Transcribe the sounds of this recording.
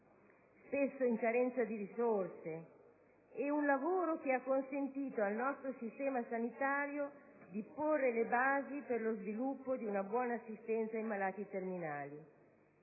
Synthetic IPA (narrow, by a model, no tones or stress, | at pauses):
spesːoiŋkaɾɛnt̪sad̪iɾisorse | ɛunlavoːɾok̟eakːonsent̪iːt̪oalnɔst̪ɾosist̪ɛːmasanit̪aːɾjo | d̪iporːelebaːziperlozvilupːod̪iunabwɔːnaːsːist̪ɛnt̪sajmalaːt̪it̪erminaːli